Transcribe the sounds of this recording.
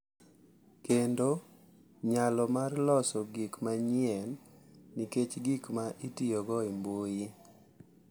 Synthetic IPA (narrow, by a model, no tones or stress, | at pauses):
kendo | ɲalɔmarlɔsɔɡikmaɲɪɛnːiket͡ʃɡikmaʔitijɔɡɔimboi